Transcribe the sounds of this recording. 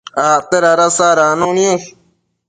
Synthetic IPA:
aːt̪eɾaɾasaːɾaːnõːniõ

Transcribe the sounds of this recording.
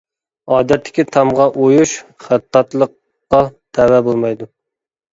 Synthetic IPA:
ɑːd̪ɛt̪ʰːɪ̥kʲit̪ʰɑmʁɑʔojuʃχæt̪ʰːɑt̪lˠəq̚ː | ɑt̪ʰɛwɛbolˠmɑjd̪u

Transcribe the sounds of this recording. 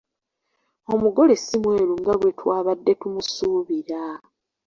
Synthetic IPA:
o̞muɡo̞le̞simwe̞ːɾuŋɡaɡwe̞twaːβadːe̞tumusuːβiɾa

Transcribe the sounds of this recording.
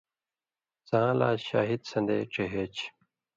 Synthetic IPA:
zãːla̰ːɕaːɦid̪sɐ̃nd̪ḛːʈ͡ʂeɦeːt͡ɕ

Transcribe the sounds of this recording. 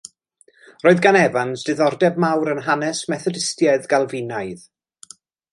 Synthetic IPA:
roːɨðɡanɛvansd̥ɨðɔrdɛbmawɾənɦanɛsmɛθɔdɪstjɛðɡalˠvɪnaɨð

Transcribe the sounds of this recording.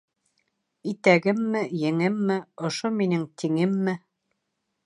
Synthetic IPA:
it̪æɡɘmːɘjɘ̆ŋɘmːɘŏʃominɘŋt̪ʰiŋɘmːɘ

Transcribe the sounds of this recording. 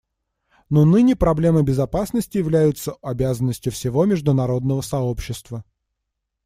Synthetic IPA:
nonɨnʲɪpɾɐblʲe̞məbʲɪzɐpasnəsʲtʲɪjɪvlʲæjʊt̪səɐbʲæzənːəsʲtʲjʊfsʲɪvo̞mʲɪʐd̪ʊnɐɾo̞d̪̚nəvəsɐo̞pɕːɪst̪və

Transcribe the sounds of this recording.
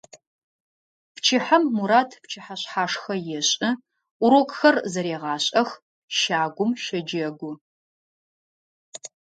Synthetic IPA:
pt͡ʃʰɪħɐmːuɾaːtʰpt͡ʃʰɪħaɕħaːʂxɐjɛɕʼɨ | ʔʷʊɾokʼxɐrzɐɾeːʁɑːɕʼɐx | ʃaːɡʷʊmʃɐd͡ʒɐɡʷʊ

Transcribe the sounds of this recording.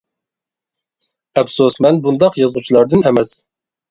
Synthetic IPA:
ɛpsosmɛnbund̪ɑqjɑzʁut͡ʃʰilˠɑɾd̪ɨnɛmɛs

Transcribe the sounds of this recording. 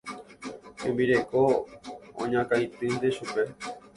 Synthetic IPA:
ẽmbiɾe̞ko | õ̰ɲãkajt̪ɨnd̪eʃupe

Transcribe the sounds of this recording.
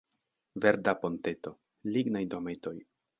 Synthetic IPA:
veɾdapo̞nt̪e̞t̪o̞ | liɡnajd̪omet̪o̞j

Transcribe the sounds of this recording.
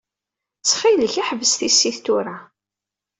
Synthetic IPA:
t͡sːχiləçaħvəsθisːiθt̪uɾa

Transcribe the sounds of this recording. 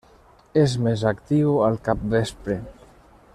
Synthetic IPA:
ezmezakt̪iwalˠkap̚bespɾe

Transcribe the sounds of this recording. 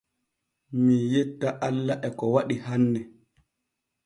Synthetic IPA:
mijetːaʔalːaʔɛkɔwaɗihanːɛ

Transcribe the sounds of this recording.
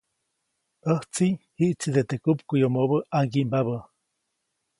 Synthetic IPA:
əht͡sihiʔt͡sid̪et̪ekupkujomoβəʔaŋɡimbaβə

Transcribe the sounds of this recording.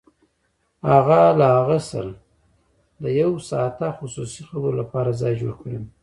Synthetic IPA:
haɣalahaɣəsə̰l | d̪əjawsɑt̪axʊsusixəboɾolapɑɾazɑjd͡ʒoɽkɽim

